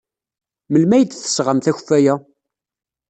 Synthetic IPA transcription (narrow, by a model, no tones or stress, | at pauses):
məlmæjəd̪θə̥sʁəmθæçfæjæ